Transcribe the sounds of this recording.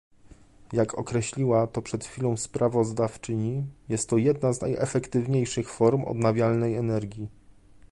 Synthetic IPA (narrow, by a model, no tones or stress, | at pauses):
jakʰɔkɾɛɕlʲiwat̪ɔpʂɛt̪xfʲilɔ̃w̃spɾavɔzd̪aft͡ʂɘɲijɛst̪ːɔjɛd̪naznajɛ̰fɛkt̪ɘvɲejʂɘxfɔɾmɔ̰d̪navʲjalnɛjɛnɛɾɡʲji